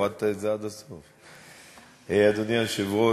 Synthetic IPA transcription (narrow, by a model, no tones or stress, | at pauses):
ad̪̚t̪aetzead̪asof | ejad̪oniaʃevo